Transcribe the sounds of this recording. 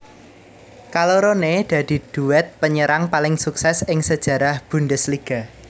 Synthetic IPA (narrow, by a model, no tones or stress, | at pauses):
kaloɾoned̪̥ä̤d̪̥i̤d̪̥ṳwɛt̪̚pəɲəɾaŋpalɪŋsuksɛsɪŋsəd̥ʒ̥ä̤ɾahb̥unɖəsliɡ̥a̤